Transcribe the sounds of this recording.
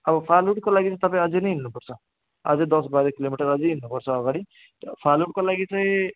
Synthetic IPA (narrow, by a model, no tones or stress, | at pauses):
ʌbʌpʰaluʈkolaɡit͡saĩt̪ʌpaĩʌd͡zenʌjɦinnupʌrt͡sʰʌ | ʌ̰d͡zʌd̪ʌsbajɾʌkilomiʈʌɾʌd͡zeɦinːupʌrt͡sʰʌːɡaɽ̃i | pʰaluʈ̚kolaɡit͡saĩ